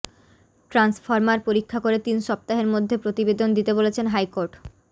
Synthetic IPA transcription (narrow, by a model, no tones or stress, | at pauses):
ʈɾansfaɾmaɾpoɾikʰːakoɾet̪inʃɔp̚t̪aɦeɾmod̪ʱːepɾot̪ibed̪ond̪it̪ebolet͡ɕʰenɦajkoɾʈ